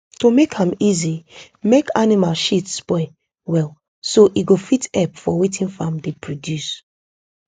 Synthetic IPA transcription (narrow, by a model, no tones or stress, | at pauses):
tomekʰãmizi | mekanimalʃitspɔɪ | wɛl | soʔiɡofitɛpfɔwetʰĩnfãmdepʰɹodjus